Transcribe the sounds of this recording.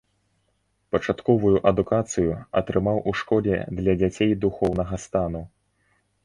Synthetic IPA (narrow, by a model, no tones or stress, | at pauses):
pɐt͡ʂat̪kɔvujuʔɐd̪ukat̪sɨjuɐ̰t̪ɾɨmawʔuʂkɔlʲɛ̰d̪lʲɐd͡zʲat͡sʲejd̪uxɔwnɐɣɐst̪anu